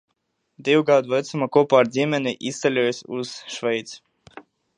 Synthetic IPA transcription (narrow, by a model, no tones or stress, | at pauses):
d̪ʲiwɡad̪vɛt̪sumakɔɔpaːɾzʲiɛmʲɛnʲiʔist̪alʲuɔjsʲuz̥ʃvɛjt̪s